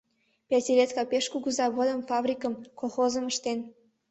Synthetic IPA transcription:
pʲatʲiɾet̪kɑpeʃkuɣuzɑβod̪əmfɑβrʲikəmkolˠxozəməʃt̪en

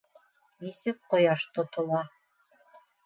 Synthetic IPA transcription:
nisɘp̚qŏjɑʃt̪ŏt̪ŏlˠɑ

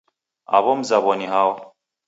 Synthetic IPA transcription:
a̰βɔm̩zaβɔniɦawa

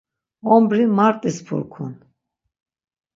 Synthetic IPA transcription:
ɔmbɾimaɾt̪ʼispʰṵɾkʰṵn

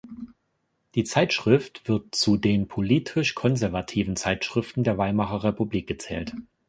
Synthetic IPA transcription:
d̥iːt͡saɪtʃʁ̥ɪftv̥ɪɐt̚t͡sudeːnpʰoliːtʰɪʃkʰɔnzɛɐvatʰiːvn̩t͡saɪtʃʁ̥ɪftn̩deːɐvaɪmaχɐʁɛpubliːk̚ɡ̥ət͡sɛ̰ːlt

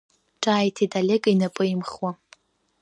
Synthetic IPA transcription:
ʈ͡ʂʼaːjtʰitʼalʲekʼinapʼɨimχwa

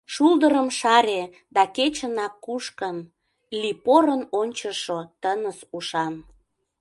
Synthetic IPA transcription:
ʃuld̪əɾəmʃɑɾʲe | d̪ɑket͡ɕənɑkːuʃkən | lipoɾənonʲt͡ɕəʃot̪ənəsuʃɑn

